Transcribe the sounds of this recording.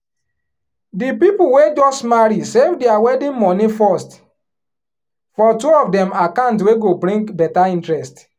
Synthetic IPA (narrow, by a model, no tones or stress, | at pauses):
dipipuwed͡ʒɔsmaɹisevdeawɛdĩnmɔnifɔst | fɔtuɔfdɛ̃makãntweɡobɾĩŋkbɛtaĩntɹɛst